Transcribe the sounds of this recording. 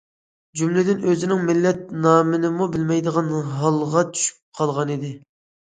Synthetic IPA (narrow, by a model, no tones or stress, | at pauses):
d͡ʒymlɪd̪ɪnøzɪnɪŋmɪlːɛt̪̚nɑːmɪnɪmubɪlmɛjd̪əʁɑnɦɑlˠʁɑt͡ʃʰy̥ʃy̥p̚qʰɑlˠʁɑnid̪ɪ